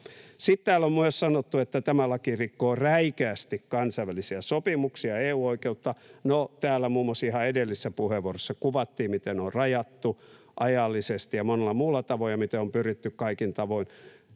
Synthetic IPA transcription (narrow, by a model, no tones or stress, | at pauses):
sit̪t̪æːlːommyøssɑnot̪ːuet̪ːæt̪æmælɑkirikːoːræikæːst̪ikkɑnsɑiʋælisiæsopimuksiɑeːuːoikeut̪ːɑnot̪æːlːˑæmuːmːosihɑedelːisːæpuheʋuorosːɑkuʋɑt̪ːiːmit̪enorrɑjɑt̪ːu | ʔɑjɑlːisest̪ijɑmonelːɑmuːlːɑt̪ɑʋojɑmit̪eompyrit̪ːykkɑikint̪ɑʋoin